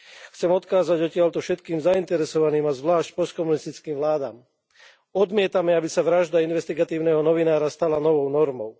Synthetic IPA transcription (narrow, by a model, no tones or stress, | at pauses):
xt͡sɛmɔt̪kaːzaɟɔcɪaʎt̪ɔfʃɛt̪kiːmzaint̪ɛɾɛsɔʋaniːmazʋlaːʃc̚pɔst̪kɔmunist̪it͡skiːmʋlaːd̪a̰ːm | ɔd̪mɪɛt̪amɛabisaʋɾaʒd̪ainʋɛst̪iɡat̪iːʊnɛɦɔnɔʋinaːɾast̪alanɔʋɔʊnɔɾmɔʊ